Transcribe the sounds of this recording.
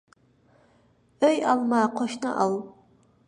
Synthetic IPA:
əjalmaːqʰʷɔʃnɨ̰ʔal

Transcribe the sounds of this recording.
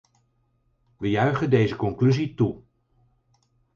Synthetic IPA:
ʋəjœɥχəndejzəkɔŋklyzitu

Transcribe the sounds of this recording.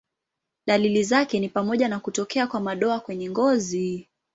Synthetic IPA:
ɗalilizakɛnipamɔʄanakutɔkɛakwamaɗɔakwɛɲɛŋɡɔzi

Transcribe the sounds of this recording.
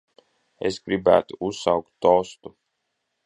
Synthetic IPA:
ḛsɡɾibæ̰ːt̪uusawkt̪ːɔːst̪u

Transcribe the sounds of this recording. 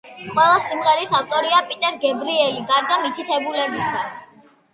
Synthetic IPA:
qʼwɛlˠasimʁɛɾisaft̪ʼɔɾiapʼit̪ʼɛɾɡɛbɾiɛliɡaɾd̪amit̪ʰit̪ʰɛbulɛbisa

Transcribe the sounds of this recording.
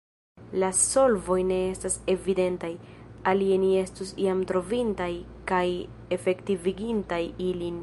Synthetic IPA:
laso̞lvo̞jne̞e̞stase̞vide̞ntaj | alienie̞stusḭamtɾo̞vintaj | kaj | e̞fe̞ktiviɡintajilin

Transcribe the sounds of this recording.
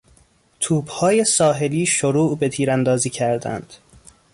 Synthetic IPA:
t̪ʰuːbhɒːje̞sɒːɦe̞liːʃoɾuːʔbe̞t̪ʰiːɾænd̪ɒːziːcʰæɾd̪æ̰nd̪̥

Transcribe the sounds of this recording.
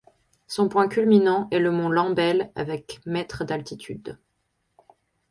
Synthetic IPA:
sɔ̃pwɛ̃kʲylminɑ̃ʔɛləmɔ̃lɑ̃bɛla̰vɛkmɛt̪χəd̪alt̪it̪ʰy̰d̪

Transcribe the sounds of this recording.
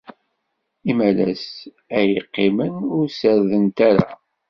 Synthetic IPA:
imælæ̰s | æjəqːimənʊɾsəɾðənt̪aɾa

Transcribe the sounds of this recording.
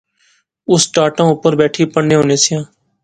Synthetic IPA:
ʊsʈaːʈãːʊpəɾbɛːʈʰiːpəɽnːeːɦoːneːsɪjãː

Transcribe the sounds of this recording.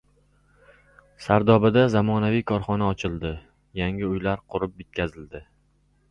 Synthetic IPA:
saɾd̪ɒbɪd̪azamɒnavijkʰɒɾχɒnaɒt͡ʃʰɪlˠd̪ɪ | jaŋʲɪʊjlaɾqʰʊɾɪpet̪̚kʲʰazɪld̪ɪ

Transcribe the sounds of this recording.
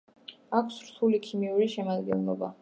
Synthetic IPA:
akʰsɾt̪ʰulikʰimiuɾiʃɛmad̪ɡɛ̰nlˠɔba̰

